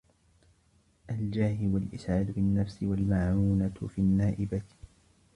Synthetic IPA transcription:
ʔald͡ʒaːhɪwalʔɪsʕaːd̪fɪnːafsɪwalmaʕuːnafianːaːʔɪba

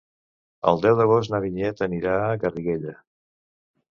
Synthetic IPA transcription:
ə̰lˠd̪ɛwðəɣos̬nəβiʎɛt̪əniɾaɣəriɣeʎə

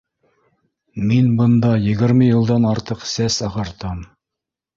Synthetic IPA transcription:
minbɤ̆nd̪ɑjɘ̆ɡɘ̆ɾmɘjɤ̆lˠd̪ɑnɑɾt̪ɤqsæsɑʁɑɾt̪ɑm

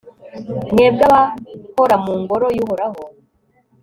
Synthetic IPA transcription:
neːb̚ɡaβahoɾamuːŋɡoɾojuhoɾaɦo

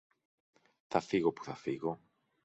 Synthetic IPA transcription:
θafiɣopu̥θafiɣo

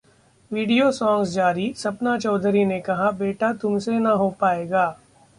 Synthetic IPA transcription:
ʋiːɖijosɔ̃ːŋɡsd͡ʒaːɾisɐpnat͡ʃɔːd̪ʱəɾinekɐɦabeːʈat̪ʊmsenɐɦopaːeːɡaː

